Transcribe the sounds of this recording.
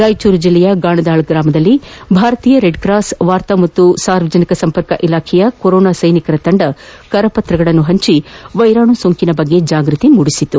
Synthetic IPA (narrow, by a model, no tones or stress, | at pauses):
ɾaːjt͡ʃuːɾd͡ʒilːɛjɐɡaːɳɐd̪aːɭɡɾaːmɐd̪ɐlːibʱaːɾɐt̪iːjɐɾeɖkɾaːsʋaːɾt̪ɐmɐt̪ːusaːɾʋɐd͡ʒɐnikɐsɐmpɐɾkɐʔilaːkʰɛjɐkoɾɔːnaːsɐjnikɐɾɐt̪ɐɳɖɐkɐɾɐpɐt̪ɾɐɡɐɭɐnːuɦɐɲt͡ʃiʋɐjɾaːɳusoːŋkinɐbɐɡːe̞d͡ʒaːɡɾut̪imuɽisit̪ːu